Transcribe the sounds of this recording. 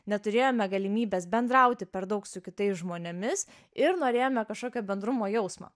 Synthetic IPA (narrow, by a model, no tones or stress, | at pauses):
nʲɛt̪ʊɾʲeːjoːmʲɛɡɐlʲimʲiːbʲeːsbʲɛnd̪ɾɐʊt̪ʲɪpʲɛɾd̪ɐʊksʊkʲɪt̪ɐɪsʒmoːnʲɛmʲɪs | ɪɾnoːɾʲeːjoːmʲɛkɐʃkoːkʲoːbʲɛnd̪ɾʊmoːjɛʊsmɑ̰ː